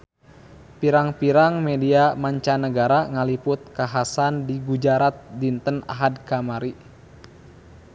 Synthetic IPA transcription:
piɾaŋpiɾaŋmɛdiamaɲt͡ʃanəɡaɾaŋalipʊt̪̚kaɦasandiɡud͡ʒaɾat̪̚dint̪əna̰ɦadkamaɾi

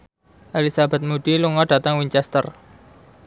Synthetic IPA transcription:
ʔalisab̥a̤t̪̚muɖ̥iluŋaɖ̥ä̤t̪aŋwiɲt͡ʃɛst̪ər

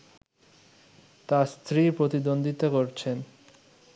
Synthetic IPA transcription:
t̪ast̪ʰɾipɾot̪id̪ond̪ʱit̪okoɾt͡ɕʰen

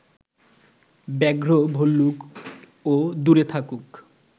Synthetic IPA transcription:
bɛɡɾobʱolːuk | od̪uɾet̪ʰakuk

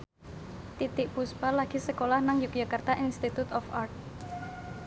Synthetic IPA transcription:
t̪it̪ɪk̚buspalaɡ̥isəkolahnaŋjuk̚d͡ʒakart̪aʔinst̪it̪ut̪ɔfa̰rt̪̚

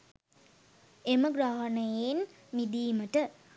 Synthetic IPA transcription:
eməɡɾaɦɐnəjen | mid̪iːməʈə

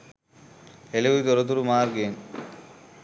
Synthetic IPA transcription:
eleud̪ɔɾɔt̪̬uɾumaːɾɡen

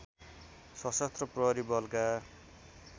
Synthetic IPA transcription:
sʌsast̪rʌprʌɦʌɾibʌlka

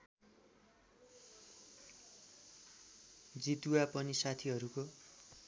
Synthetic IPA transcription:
d͡zit̪uapʌnisat̪ʰiɦʌɾuko

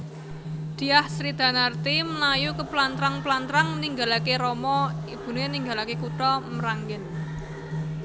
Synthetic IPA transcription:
d̪̥i̤ahsɾid̪̥a̤nart̪iməlajukəplant̪ɾaŋplant̪ɾaŋniŋɡalakeɾɔmɔib̥ṳnueniŋɡalakekuʈɔməɾaŋɡɪn

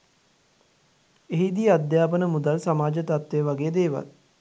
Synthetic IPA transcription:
eɦid̪iəad̪jaːpənəmud̪alsamaːd͡ʒət̪at̪ʋejəʋaɡeːəd̪eːʋa̰l

